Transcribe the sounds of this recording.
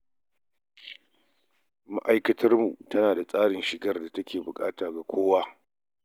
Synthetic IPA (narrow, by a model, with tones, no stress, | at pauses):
mɐ˦ʔa˦jkɐ˦tʰɐ˦rmu˨tɐ˦naː˨da˨sʼaː˦ɽɪ˨nʃɪ˨ɡɐ˦rda˨tɐ˦kʲeː˨bʊ˨kʼa̰ː˦taː˨ɡa˨kʷʰoː˦waː˦